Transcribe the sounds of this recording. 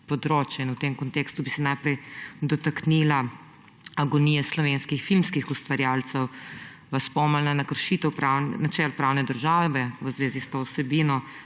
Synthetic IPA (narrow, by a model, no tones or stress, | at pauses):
pɔd̪ɾoːt͡ʃjainwt̪emkɔnt̪ekst̪ubisɛnajpɾɛjd̪ɔt̪aknila | aɡɔnijɛslɔʋenskixfilmskixust̪ʋaɾjaːlt̪sɛw | ʋaspɔmalnanakəɾʃit̪ɔwpɾawnnat͡ʃɛlpɾawnɛd̪əɾʒaːʋɛʋəzʋeːzist̪oːwsɛbiːnɔ